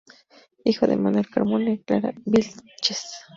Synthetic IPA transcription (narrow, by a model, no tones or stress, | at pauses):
ihwad̪ḛmanoɾkaɾmoneklaɾabilt͡ʃes